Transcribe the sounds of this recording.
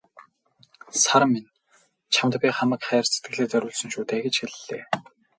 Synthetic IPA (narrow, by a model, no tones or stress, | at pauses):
saɾmːen | t͡ɕʰamt̪pʲiːχamə̆kχæːrse̥t̪̚ɡɘ̆ɮeːt͡sœɾʲʊːɮsɵ̆nʃuːt̪eːɡet͡ɕxeɮːeː